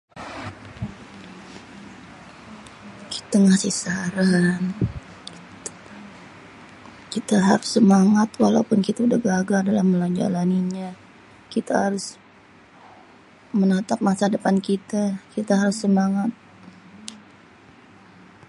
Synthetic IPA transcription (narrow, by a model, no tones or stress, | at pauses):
ki̥t̪aŋasihsaɾan | i̥ | kit̪aɦaɾʊsːəmaŋat̪walaupʊnkit̪adəɡaɡadalahməlad͡ʒa̰laniɲa | kit̪ahaɾʊs | mənat̪ap̚masadəpankit̪akit̪aɦaɾʊsːəmaŋat̪̚